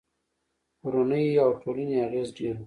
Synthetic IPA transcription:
uɾanəjawʈʰoləniaɣezɖeɾ

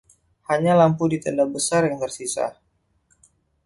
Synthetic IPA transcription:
haɲalampudit̪əndabəsarjaŋt̪ərsisa̰h

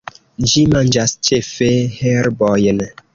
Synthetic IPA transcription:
d͡ʒimand͡ʒast͡ʃefehɛɾbɔjən

